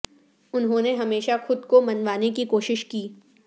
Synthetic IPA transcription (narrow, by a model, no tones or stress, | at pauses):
ʊnɦõːneɦɐmeːʃaxʊd̪komɐnʋaːnekikoːʃɪʃkiː